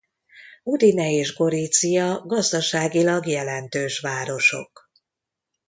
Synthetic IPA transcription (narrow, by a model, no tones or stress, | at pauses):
ud̪inɛeːʒɡo̞ɾit̪sijɒɡɒzd̪ɒʃaːɡilɒɡjɛlɛnt̪øːʃʋaːɾo̞ʃo̞̰k